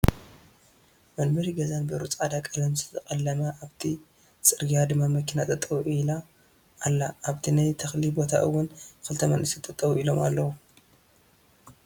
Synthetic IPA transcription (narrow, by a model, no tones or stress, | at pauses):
mɐnbɐɾiɡɐzanbɨɾut͡sʼʕad̪akʼɐlɐmzɨ̥t̪ʰɐkʼɐlːɐmɐʔaβt̪ʰi | t͡sʼɨɾɡijad̪ɨmːamɐkʰːinat̪ʼɐt̪ʼːɐwʔilaː | lːaʔːβt̪ʰinajt̪ʰɐxlibo̞t̪ʰa̰ʔɨwːʊnkɨlt̪ʰɐmɐ̰nʔɨsit̪ʼɐt̪ʼːɐwuilo̞ma̰lːɐwu